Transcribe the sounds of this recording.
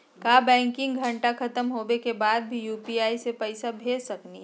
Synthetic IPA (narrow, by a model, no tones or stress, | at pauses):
kaːbɛ̃ːŋkɪ̃ŋɡɡʱɐ̃ɳʈakʰɐt̪əmɦoːbekebaːd̪̚bʱijuːpiaːisepɛɪsabʱeːd͡ʒsɐkniɦ